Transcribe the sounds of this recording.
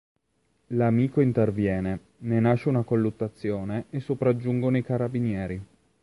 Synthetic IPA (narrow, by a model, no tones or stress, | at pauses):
lamiːkoint̪ervjɛːne | nenaʃeunakolːut̪ːat̪sːjoːneesːopɾad͡ʒːuŋɡonoikaɾabinjɛːɾi